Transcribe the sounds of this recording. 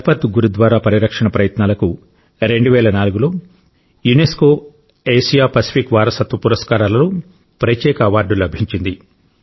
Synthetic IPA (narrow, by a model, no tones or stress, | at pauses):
ɐpɐt̪ːuɡuɾud̪ʋaːɾaːpɐɾiɾɐkʂɐɳɐpɾɐjɐt̪naːlɐku | ɾe̞ɳɖuʋɛːlɐnaːluɡulo̞ː | juneskoː | eːsijaːpɐsi̥pʰikʋaːɾɐsɐt̪ʋɐpuɾɐskaːɾaːlɐnu | pɾɐt̪ːɛːkɐːʋaːɾɖulɐbʱiɲt͡ʃind̪i